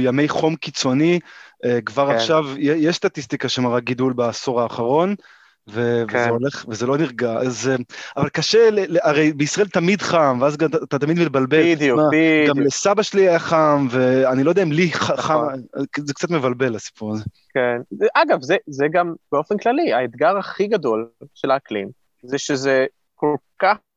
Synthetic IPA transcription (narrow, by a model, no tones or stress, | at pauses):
jamejχo̞mkit͡so̞niekvaʁaχʃavjejeʃst̪at̪ist̪ikaʃemaʁaɡidulbaːso̞ʁaːχaʁo̞n | vevzeoleχvezelo̞niʁɡazeavalkaʃeleeaʁejbeisʁaʔelt̪amidχamveazɡat̪at̪amid̪mit̪̚balbeldumaɡamlesabaʃeliajaχamveanilodeaimliχaχazekt͡sat̪mevalbe̞lasi̥puʁaze | kenzʔaɡavzezeɡambeofenklaliaet̪ɡaʁaχiɡad̪o̞lʃelaːklḭm | zeʃeze | kolkaχ